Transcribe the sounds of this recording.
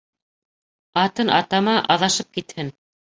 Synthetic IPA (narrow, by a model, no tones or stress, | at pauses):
ɑt̪ɤnʔɑ̰t̪ɑmɑʔɑðɑʃɤp̚kit̪hɘn